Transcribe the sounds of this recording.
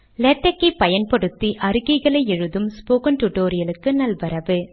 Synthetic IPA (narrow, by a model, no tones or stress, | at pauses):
lɛʈːɐkːɐpːɐjɐnpɔɽɯt̪ːiʔɐɾɯɣɪɣɐɭɐɪɛɻɯðɯmspoːkɐnʈʊʈoːɾɪjɐlɯkːɯnɐlʋɐɾɐʋɯ